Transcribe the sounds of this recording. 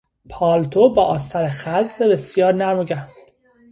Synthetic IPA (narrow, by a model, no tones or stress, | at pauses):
pʰɒːlt̪ʰobɒːʔɒːst̪ʰæɾexæzdebesjɒːɾnæɾmoɡæɾ